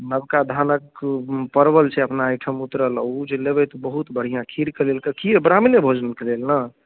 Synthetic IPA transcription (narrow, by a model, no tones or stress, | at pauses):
nəbkad̪ʱanəkpəɾbəlt͡ʃʰɛəpnaːjʈʰəmut̪ɾəlɔ̰ud͡ʒelebɛt̪ɔbəɦut̪bəɽ̤ijãkʰiɾkelelkəkiebɾamnebʱod͡ʒənkelelnə